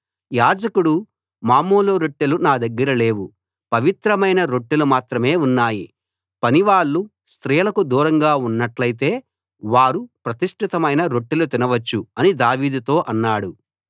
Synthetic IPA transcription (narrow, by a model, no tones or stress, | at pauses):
jaːd͡ʒɐkuɽu | maːmoːloːɾoʈːilunaːd̪ɐɡːɐɾɐle̞ːʋu | pɐʋit̪ɾɐmɐjnɐɾo̞ʈːulumaːt̪ɾɐme̞ːunːaːji | pɐniʋaːɭːu | st̪ɾijɐlɐkud̪uːɾɐŋɡaːunːɐʈlɐjit̪e̞ː | ʋaːɾupɾɐt̪iʂʈʰit̪ɐmɐjnɐɾo̞ʈːilut̪inɐʋɐt͡ʃːuɐnid̪aːʋiːd̪ut̪o̞ːʔɐnːaːɽu